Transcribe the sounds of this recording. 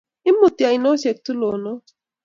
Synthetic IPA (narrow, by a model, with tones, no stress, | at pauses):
i˦mʊ˨ti˨a˨i˨no˦se˨k̚tu˦lo˨nɔ˦